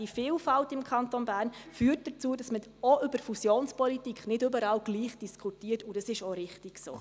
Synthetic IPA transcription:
ifiːlfɑltɪmkʰχɑntonbæːɾnfyːtd̥ət͡suːədɑsmə | ɔʔʏbəɾfusjoːnspɔlitikχnɪdʏbəɾɑːlɡ̥liːχd̥iskʰutiːərtudɑsɪʃɔɾɪχtiɡ̥so̰ː

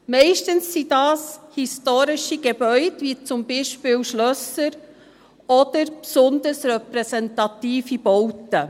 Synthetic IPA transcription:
mɛɪʃtənsːidɑːshistoːɾɪʃiɡ̥ebœʏdʋit͡sʊmbiːʃpɪːwʃlœsəɾ | ɔd̥̪əɾpsʊndəɾsɾɛpɾɛsɛntɑt̪iːfib̥ɔwtə

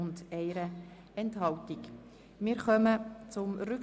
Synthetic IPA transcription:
ʊndɛɪɾə | ɛnthɑltik | mɪːɾχœmət͡sʊmɾʏk

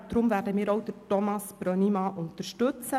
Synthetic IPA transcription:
d̥̪ɾʊmvæːɾdəmiːɾowd̥ətɔmɑsb̥ɾœnimɑʔʊntəɾʃtɵt͡sə

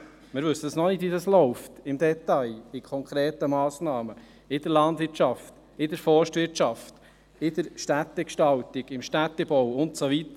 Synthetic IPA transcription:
mɪɾʋɵsːəd̥ɑsnɔnɪtʋidɑslɔʊftɪmd̪ɛtɑjɪkʰχɔŋkɾeːtəmɑːsnɑːmə | ɪd̥̪əɾlɑnd̪ʋɪɾtt͡ʃɑft | ɪd̥əɾfɔrʃtʋɪɾtt͡ʃɑft | ɪd̥̪əɾʃtæt̪ːɛkʃtɑlt̪iɡɪmʃtæt̪ːɛbɔwʊntsoʋit̪ə

